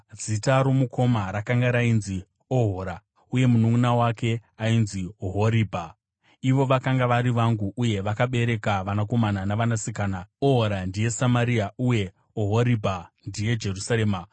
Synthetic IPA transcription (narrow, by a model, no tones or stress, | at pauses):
d͡zitaɾomukʰo̞maɾakaŋɡaɾainzi | oɦoɾa | uje̞munumunawake̞ainzioɦoɾiːbʱa | iʋo̞ʋakaŋɡaʋaɾiʋaŋɡuʔuje̞ʋakaɓe̞ɾe̞kaʋanak̬o̞mananaʋanasikaːnaoɦoɾandije̞samaɾiauje̞ | oɦoɾibʱandije̞d͡ʒe̞rusaɾeːma